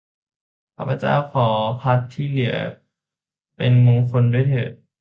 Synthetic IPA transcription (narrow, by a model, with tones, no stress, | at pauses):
kʰa˧˩pʰːa˧t͡ɕa̰ː˧˥˩wkʰɔː˨˩˦pʰa˦˥t̪ʰːiː˥˩lɯ˩˦ɐ | pe˧nmoː˧ŋkʰo˧nduː˧˥˩jt̪ʰɤː˨˩t̪̚